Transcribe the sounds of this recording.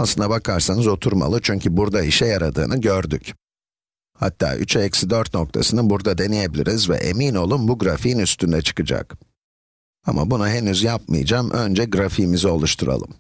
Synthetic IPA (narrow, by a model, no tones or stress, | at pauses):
aslˠɯnd̪abakʰaɾsanɯzo̞t̪ʰuɾma̰lˠɯt͡ʃʰyɲcʰybuɾd̪aiʃɛjaɾad̪ɯ̰ːnɯɟøɾd̪yc | ha̰t̪ʰːa̰ːʔy̰t͡ʃʰɛcsid̪øɾt̪no̞k̚t̪ʰa̰sɯnɯbuɾd̪ad̪e̞neje̞bilʲḭɾizvɛ̰ʔe̞̰miːno̞lˠumbuɡɾafijinyst̪ʰynd̪ɛt͡ʃʰɯ̥kɯd͡ʒa̰k | ama̰bunuɦe̞nyzjap̚mɯ̰j̰d͡ʒaːmʔø̞nd͡ʒɛɡɾafimizio̞lˠuʃt̪ʰuɾa̰lˠɯ̰m